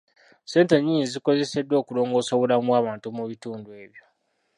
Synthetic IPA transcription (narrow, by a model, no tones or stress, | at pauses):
se̞ːnteɲiːniziko̞ze̞se̞dwo̞ːkulo̞ːŋɡo̞ːsoβulamwaːβaːntumuβituːndue̞ːβjo